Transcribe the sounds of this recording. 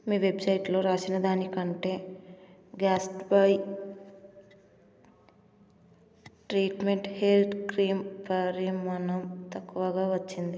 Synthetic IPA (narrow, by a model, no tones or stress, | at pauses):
miːʋe̞bsɐjʈlo̞ːɾaːsinɐd̪aːnikɐɳʈe̞ː | ɡaːsʈbɐj | ʈɾiːʈme̞ɳʈheld̪kɾiːmpɐɾiːɐnɐmt̪ɐkːuʋɐɡaːʋɐt͡ʃːind̪i